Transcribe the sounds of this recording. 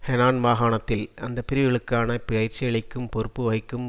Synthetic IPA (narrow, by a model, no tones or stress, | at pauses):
hɛnaːnʋaːɣaːɳɐt̪ːɪlɐnd̪ɐpːɪɾɪjɪɭɯkːaːnɐpɪɐɪɾt͡ʃːɪjɐɭɐɪkːɯmpɔɾɯpːɯʋɐɪkːɯm